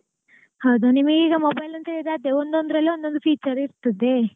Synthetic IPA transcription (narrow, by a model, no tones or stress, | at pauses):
hɐwd̪unimɐɡeiːɡɐmobɐjlɐnt̪eːɭid̪aːd̪eond̪ond̪ɾɐlːiond̪ond̪upʰiːt͡ʃɐɾiɾt̪ɐd̪e